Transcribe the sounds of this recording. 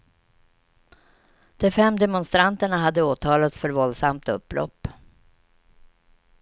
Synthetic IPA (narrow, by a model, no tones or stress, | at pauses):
d̪̥ɛfɛmːd̪ɛmɔnst̪ɾant̪əɳaɦad̪ːəoːt̪ʰɑːlat̪sfœɾvɔld̪samt̪ɵ̰pːlɔ̰pː